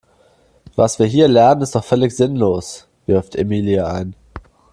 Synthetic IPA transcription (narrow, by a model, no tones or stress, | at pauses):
vasv̥iːɐɦiːɐlɛɐnənɪstd̥ɔχfœlɪçz̥ɪnloːs | v̥ɪɐftʰemiːliaaɪn